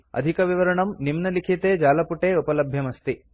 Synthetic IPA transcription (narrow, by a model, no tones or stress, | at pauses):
ɐ̰d̪ʱikɐʋiʋɐɾɐɳɐmnimnɐlikʰit̪eːd͡ʒaːlɐpuʈeːupɐlɐbʱjɐmɐst̪i